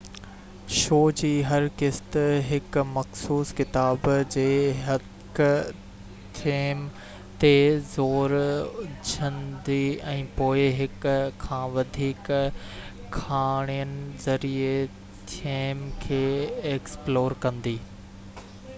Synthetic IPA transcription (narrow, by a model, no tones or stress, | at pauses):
ʃoːd͡ʑiːɦɐɾkɪst̪ɦɪkmɐxsuːskɪt̪aːbd͡ʑeːɦɐ | k | t̪ʰeːm | t̪ezoːɾʊd͡ʑʱə̃nd̪iːɛ̃ːpoːɪɦɪkkʰːãːʋɐd̪ʱiːk | kʰaːɽ̃ijənɪ̆zɐɾie | t̪ʰemkʰeːeːksploːɾkɐ̃nd̪iː